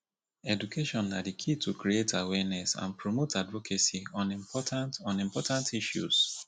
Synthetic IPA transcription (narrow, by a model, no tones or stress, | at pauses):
ɛdukʰeʃɔ̃nːadikʰitʰukɾietʰawɛnɛsã̰npɹomotʰadvɔkʰesiɔ̃nĩmpʰɔtʰãntɔ̃nĩmpɔtãntiʃjṵs